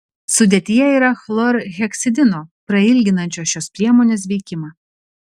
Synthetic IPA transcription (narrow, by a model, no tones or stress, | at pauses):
sʊd̪ʲeːt̪ʲɪjɛiːɾɐxlˠɔɾɣʲɛksʲɪd̪ʲɪnoːpɾɐɪlʲɡʲɪnɐnʲt͡ʃʲoːsʲʃʲoːspʲɾʲiɛmoːnʲeːsʋʲɛɪkʲɪmɑ